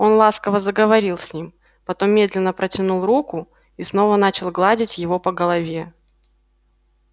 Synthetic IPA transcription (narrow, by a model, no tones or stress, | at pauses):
o̞nlˠaskəvəzəɡəvɐɾʲilˠsʲnʲim | pɐt̪o̞mːʲe̞d̪lʲɪnːəpɾətʲɪnulˠrukʊ | isno̞vənat͡ɕɪlˠɡlˠadʲɪtʲjɪvo̞pəɡəlˠɐvʲe